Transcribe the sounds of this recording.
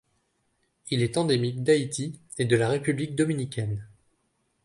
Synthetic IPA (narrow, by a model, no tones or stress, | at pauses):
ilɛt̪ɑ̃d̪emik̚d̪ait̪ʰi | ed̪əlaʁepyblik̚d̪ɔminikʲɛn